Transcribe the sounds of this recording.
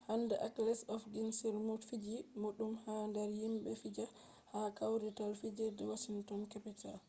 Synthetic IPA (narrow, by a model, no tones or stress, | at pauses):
handɛʔaklɛsɔfɡinsiɾmutfid͡ʒimoɗumhandɛɾhimɓɛfid͡ʒa | hakawɾɛtalfid͡ʒɛdɛwaʃiŋtɔnkapital